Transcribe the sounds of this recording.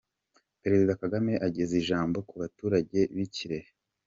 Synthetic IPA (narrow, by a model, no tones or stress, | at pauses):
peɾe̞zidakaɡame̞ʔaɟeziʒaːmbo̞kuβatuːɾaɟe̞βiciɾehe